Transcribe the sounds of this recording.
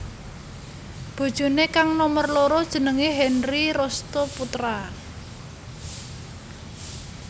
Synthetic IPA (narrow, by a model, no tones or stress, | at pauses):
b̥o̤d̥ʒ̥o̤nekaŋnɔmərloɾɔd̥ʒ̥ə̤nəŋeɦɛnriɾɔst̪oput̪ɾa